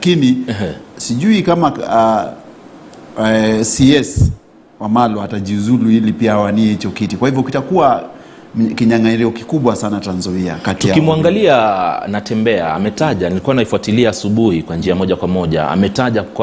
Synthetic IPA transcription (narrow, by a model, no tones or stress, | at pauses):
lakiniɛsiʄuikama | siɛs | wamalɔataʄiuzuluilipiaawaniɛhit͡ʃɔkitikwahivjɔukitakua | kiɲaŋaiɾiɔki̥kuɓwasanatanzaiakatijakimuaŋɡalianatɛmbɛa̰ːmɛtaʄanilikuanaifuatiliaːsuɓuhikwand͡ʒiamɔʄakwamɔʄa̰a̰mɛtaʄak